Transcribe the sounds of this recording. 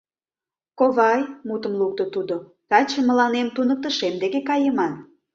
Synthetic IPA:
koβɑjmut̪əmluk̚t̪ot̪ud̪ot̪ɑt͡ɕəmːəlɑnemt̪unək̚t̪ə̆ʃemd̪ekekɑjəmɑn

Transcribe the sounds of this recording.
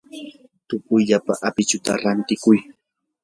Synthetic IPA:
t̪ʊpʊjʎapaʔapɪt͡ʃʊt̪a̰ɾant̪ɪkʊj

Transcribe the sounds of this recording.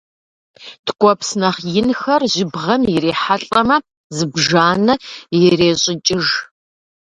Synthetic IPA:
tʰkʷʼɔpsnɐχjɪnxɐrʑɪbʁɐmjɪɾeːħaɬʼɐmɐ | zɨbʒaːnɨjɛreːɕʼɪt͡ʃʼɪʒ

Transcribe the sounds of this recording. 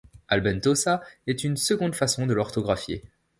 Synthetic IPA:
albɛnt̪osaɛt̪ynsəɡɔ̃d̪fasɔ̃d̪əlɔʁt̪ɔɡʁafjḛ

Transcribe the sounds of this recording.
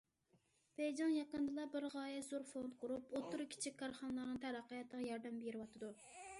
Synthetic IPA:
b̥ɛjd͡ʒɑŋjɑqənd̪ɨlˠɑbɪɾʁɑːjɛzoɾfont̪̚qʰʊɾupot̪uɾkʲʰi̥t͡ʃʰik̚ʲkʰːɑɾχɑnlˠɑɾnɨŋt̪ʰæɾæqːəjɛt̪ʰːəʁɑjɑɾd̪ɛmbeɾɨwɑt̪ʰɨd̪u

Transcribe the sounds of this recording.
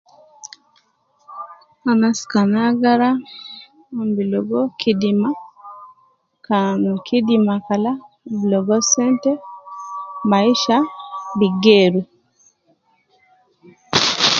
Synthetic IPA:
anaskanaɡaɾa | mbilɔɡɔkʰidima | kanɔkʰidimakala | bilɔɡɔsɛntɛ | maiʃabiɡeɾu

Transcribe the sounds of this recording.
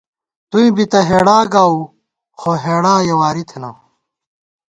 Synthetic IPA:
t̪uĩbit̪ɐɦeːɽaːɡaːu | xoɦeːɽaːjɐwaːɾit̪ʰenɐ̰

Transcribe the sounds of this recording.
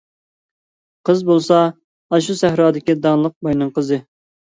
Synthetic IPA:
qʰəzbolˠsɑ | ɑʃ̬usɛɦɾɑːd̪ɪkʲid̪ɑŋlˠəq̚bɑjnɨŋqəzɨ

